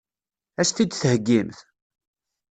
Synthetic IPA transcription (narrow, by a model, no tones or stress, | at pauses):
æʃθid̪θhəɡːimθ